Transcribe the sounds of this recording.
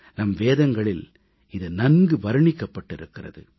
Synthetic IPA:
nɐmʋeːðɐŋɡɐɭɪl | ɪðɯnɐnɡɯʋɐɾɯɳɪkːɐpːɐʈːɪɾɯkːɪrɐ̰ðɯ

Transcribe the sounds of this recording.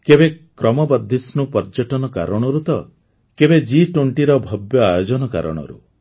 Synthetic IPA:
kebekɾɔmɔbɔd̪ʱːisnupɔɾd͡ʒɔʈɔnɔka̰ɾɔɽ̃ɔɾut̪ɔ | kebed͡ʒiʈoɳʈiɾɔbʱɔbjɔajod͡ʒɔnɔka̰ɾɔ̰ɽ̃ɔ̰ɾṵ

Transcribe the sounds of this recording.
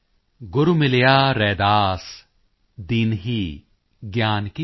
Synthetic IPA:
ɡʊɾumɪlejaːɾɛːd̪aːs | d̪inɦiː | ɡjaːnki

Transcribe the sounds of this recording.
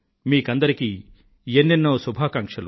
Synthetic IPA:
miːkɐnd̪ɐɾikiː | jenːinːoːsubʱaːkɐŋkʂɐlu

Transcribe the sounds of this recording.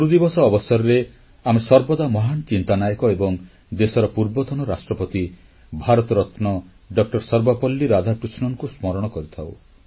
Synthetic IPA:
uɾud̪ibɔsɔːbɔsɔɾɔɾe | amesɔɾbɔd̪amɔɦant͡ʃint̪anajɔkɔebɔŋ | d̪esɔɾɔpuɾbɔt̪ʰɔnɔɾasʈɾɔpɔt̪i | bʱaɾɔt̪ɔɾɔt̪nɔ | ɖɔk̚ʈɔɾsɔɾbapɔlːiɾad̪ʱakɾusnɔŋkusmɔɾɔɽ̃ɔkɔɾit̪ʰaw

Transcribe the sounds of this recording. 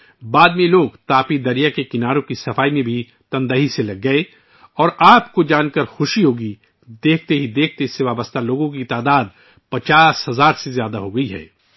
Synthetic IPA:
baːd̪mẽloːɡt̪aːpid̪ɐɾijakekɪnaːɾõkisɐfaːimẽbʱi | t̪ɐ̃nd̪əɦiselɐɡːɐe | ɔːɾaːpkod͡ʒaːnkəɾxʊʃiɦoːɡi | d̪eːkʰt̪eɦid̪eːkʰt̪eɪseʋaːbəst̪ʰaloːɡõkit̪aːd̪aːd̪̚ | pɐt͡ʃaːshɐzaːɾsezjaːd̪aɦoɡɐiɦɛ̰ː

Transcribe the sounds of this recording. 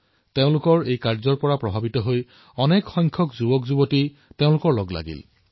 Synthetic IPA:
teʊ̃lʊkɔɹejkaɹzɔɹpɔɹapɹɔbʱabitɔɦoj | ɔnɛkxɔjŋkʰɔkzubɔkzubɔti | teʊ̃lʊkɔɹlɔɡla̰ɡḭl

